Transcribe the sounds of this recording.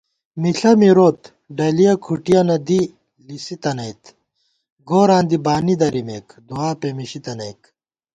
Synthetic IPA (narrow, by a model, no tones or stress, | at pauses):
miɬɐmiɾoːt̪ | ɖɐlijɐkʰuʈijɐnɐd̪i | lisit̪ɐnɐjt̪ | ɡoːɾaːnd̪ibaːnid̪ɐɾimeːkd̪uaːpemiɕit̪ɐnɐjk